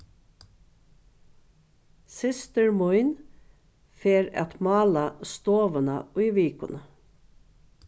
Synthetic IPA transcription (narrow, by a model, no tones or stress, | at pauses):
sɪst̪əɹmʊjn | feːɾæ̰t̪mɑːlast̪oːʋənəʊjʋiːkʊnə